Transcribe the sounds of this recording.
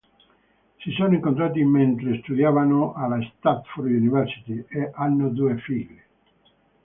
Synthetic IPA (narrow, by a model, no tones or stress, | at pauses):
sisonoiŋkont̪̬ɾaːt̪̬iment̪ɾest̪ud̪jaːvanoʔalast̪at̪fuɾd̪iunivɛɾsi̥t̪ieʔanːod̪uːefilːe